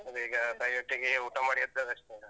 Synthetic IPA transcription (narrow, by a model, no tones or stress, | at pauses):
ɐd̪uiːɡɐt̪aːjʋɐʈːiɡeuʈɐmaːɽijɐd̪ːɐd̪ɐʂʈe